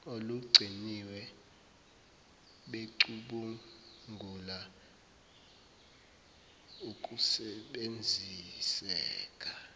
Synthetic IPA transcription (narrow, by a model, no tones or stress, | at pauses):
oluɡ͡ǀʱiniwɛ | ɓeǀuɓuŋʱula | ukʼusɛɓend͡zʱisɛ̰ːkʼa